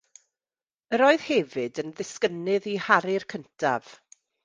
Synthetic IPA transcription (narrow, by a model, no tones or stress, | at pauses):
əɾoːɨð̥hɛvɨdənðɪskənɨðihaɾɪrkʰəntʰa̰v̥